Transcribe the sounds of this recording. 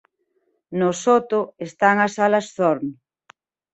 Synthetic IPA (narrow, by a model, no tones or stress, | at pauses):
nosot̪ʊest̪aŋɐsalɐsθoɾm